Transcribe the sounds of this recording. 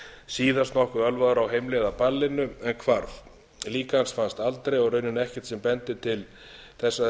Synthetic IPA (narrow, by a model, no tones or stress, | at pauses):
siːðast̪nɔhkʏœlvaðʏɾawɦejmlɛðapalːɪnʏɛnkʰvaɾθ | liːkansfanst̪alt̪ɾejɔɣɾrœɥnɪnɛhcɛ̥t̪sɛmpɛnt̪ɪt̪ʰɪl | θɛsːa